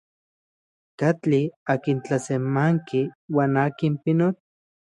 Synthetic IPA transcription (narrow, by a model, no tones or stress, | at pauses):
kat͡ɬiakint͡ɬasemaŋkiwaːnaːkimpinot͡ɬ